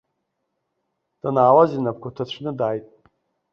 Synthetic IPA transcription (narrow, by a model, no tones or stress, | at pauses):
d̥anaːwazinap̚kʷʰatʰat͡ɕʷʰnɨdaːjtʼ